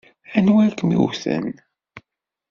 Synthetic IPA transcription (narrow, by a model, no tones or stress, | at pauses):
ænwækəmḭwθə̰n